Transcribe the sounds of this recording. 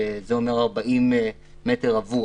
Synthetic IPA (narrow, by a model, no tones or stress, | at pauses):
ezeo̞meʁaʁbaʔimː | eteʁavu